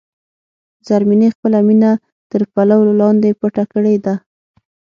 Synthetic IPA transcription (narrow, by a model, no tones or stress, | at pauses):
zaɾminexpəlamina | t̪əɾpalawlolɑnd̪epəʈakəɽed̪a